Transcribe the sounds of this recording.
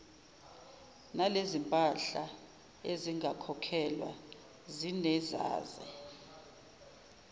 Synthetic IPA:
nalezimpʼaɬa | eziŋɡakʰɔkʰɛlwa̰ | zinɛza̰ːzɛ̰

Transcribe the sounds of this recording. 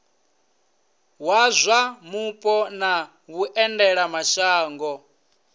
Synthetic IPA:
wazʷamupʼɔna | βuʔɛndɛɺamaʃaːŋɡɔ

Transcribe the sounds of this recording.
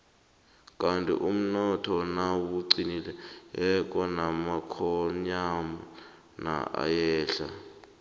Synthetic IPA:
kʼantʼḭʔum̩nɔtʰɔnawuǀinilɛɛk̬ʼɔnamakʰɔɲamɔ | na̰a̰jɛːɬa

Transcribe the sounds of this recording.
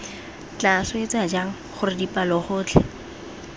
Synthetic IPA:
t͡ɬasʊet͡sad͡ʒaŋ̩ | χʊrɪdipʼalɔχʊːt͡ɬʰɛ

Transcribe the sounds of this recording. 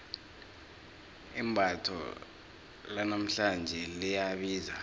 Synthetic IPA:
imbʱatʰɔ̰ | lanam̩ɬand͡ʒʱɛlijaɓiːza

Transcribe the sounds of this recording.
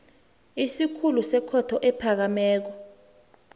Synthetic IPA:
isikʰulusɛkʰɔtʰɔʔɛpʰak̬amɛːk̬ɔ

